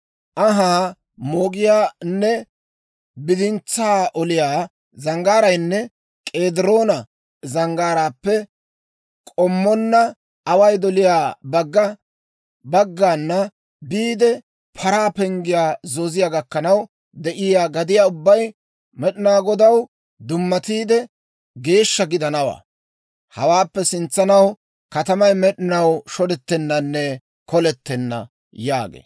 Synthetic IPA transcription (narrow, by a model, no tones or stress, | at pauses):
ʔɐɦaː | moːɡɪjaːnːɛ | bɪd̪ɪnt͡sːaːʔɔlɪjaː | zɐŋɡaːɾɐjnːɛ | kʼeːd̪ɪɾoːnɐ | zɐŋɡaːɾaːpːɛ | kʼɔmːɔnːɐ | ɐwɐjd̪ɔlɪjaːbɐɡːɐ | bɐɡːaːnːɐ | biːd̪ɛ | pʰɐɾaːpɛŋɡɪjaːzɔzɪjaɡɐkːɐnɐw | d̪ɛʔɪjaːɡɐd̪ɪjaːʊbːɐj | mɛɗɪnaːɡɔd̪ɐw | d̪ʊmːɐt̪iːd̪ɛ | ɡe̞ːʃːɐɡɪd̪ɐnɐwa̰ː | hɐwaːpːɛsɪnt͡sːɐnɐw | kɐt̪ɐmɐjmɛɗɪnɐwʃɔd̪ɛt̪ːɛnːɐnːɛ | kɔlɛt̪ːɛnːɐ̰ | ja̰ːɡḛː